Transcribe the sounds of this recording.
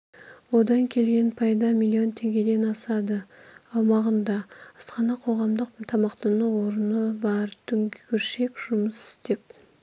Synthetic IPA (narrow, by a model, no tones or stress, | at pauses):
wo̞d̪ɑŋkʲʰe̞lɡʲe̞npʰɑjd̪ɑmʲilʲˠːio̞nt̪ʰe̞ŋɡʲe̞d̪e̞nɑsɑd̪əɑwmɑʁənd̪ɑəsqɑnɑqʰo̞ʁɑmd̪əqt̪ʰɑmɑqt̪ɑnəwo̞ɾənəbɑɾt̪ʰʏŋʲʏɾʃe̞kʒ̥ʊməsɪ̥st̪e̞p̚